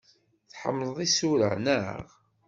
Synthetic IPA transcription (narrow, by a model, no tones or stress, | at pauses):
θħə̰mːləðˤisuɾə̰ʕnəʁ